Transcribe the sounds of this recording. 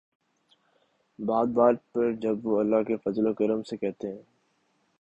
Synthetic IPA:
baːd̪̚baːɾpɐɾd͡ʒɐbʋoɐlːaɦkefɐzlokɐɾəmsekɛɦt̪eɦɛ̃ː

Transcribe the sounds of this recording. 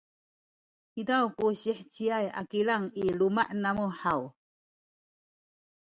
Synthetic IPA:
hidawkuɕiħt͡ɕiaja̰kiɭaŋilumaʔnamuħaw

